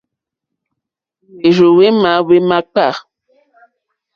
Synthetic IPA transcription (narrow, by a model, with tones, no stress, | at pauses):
we˨ʒo˨we˦ma˨˦we˦mã˦k͡pa˦˨